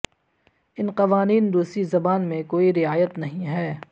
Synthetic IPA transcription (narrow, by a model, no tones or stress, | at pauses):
ɪnqɐʋaːniːnd̪uːsɾizɐbaːnmẽkoːiɾɪaːjət̪nɐɦĩɦɛː